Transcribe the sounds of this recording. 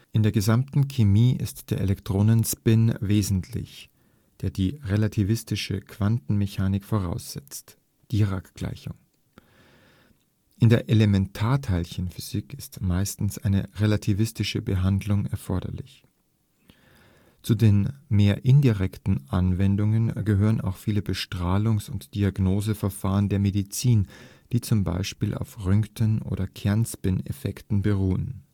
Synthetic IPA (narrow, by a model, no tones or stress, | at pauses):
ʔɪndeːɐɡəzamtn̩kʰemiːʔɪ̰std̥eːɐʔelɛktʁ̥oːnənspɪnveːzn̩tʰlɪ̰ç | d̥eːɐdiːʁelatʰivɪstɪʃə̰kʰv̥antn̩meçaːnɪkfoːʁ̞a̰ʊsz̥ɛt͡st | d̥iːʁakɡ̥la̰ɪçʊ̰ŋ | ʔɪndeːɐʔelemɛntʰaːɐtʰaɪlçənfyz̥ɪkɪstmaɪstn̩sʔaɪnə̰ʁelatʰivɪstɪʃəbəɦandlʊŋɛɐfɔɐdɐ̰lɪç | t͡sudeːnmeːɐʔɪndiʁɛktn̩ʔanvɛndʊŋənɡəɦøːʁ̞əna̰ʊxfiːləbəʃtʁ̥aːlʊŋsʊntd̥iaɡnoːzəfɛɐfaːʁ̞əndeːɐmedit͡siːn | d̥iːt͡sʊmba̰ɪʃpiːlʔa̰ʊfʁʏŋktʰənʔo̰ːɾɐkʰɛɐnspɪnḛfɛktn̩bəʁuːən